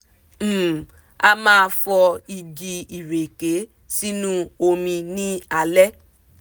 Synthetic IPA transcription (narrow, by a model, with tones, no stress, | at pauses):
a˧mãː˦˧fɔ˧i˨d͡ʒi˧i˨ɾe˨ke˨˦ | si˦nũ˦o˧mĩ˧nĩ˦a˧lɛ˦